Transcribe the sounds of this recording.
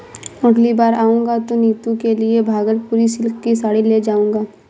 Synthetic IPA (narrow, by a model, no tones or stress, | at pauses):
ʊɖlibaːɾaːũːŋɡat̪oniːt̪ũkeliebʱaːɡəɾpuːɾisɪlkkisaːɽiled͡ʒaːũːŋɡaː